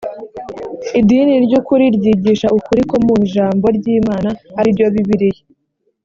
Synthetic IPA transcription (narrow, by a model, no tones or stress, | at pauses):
idiniɾɟukuɾiɾɟiːɟiʃaʔukuɾiko̞muʒaːmbo̞ɾɟiːmaːnahaɾibɟoβiβiɾije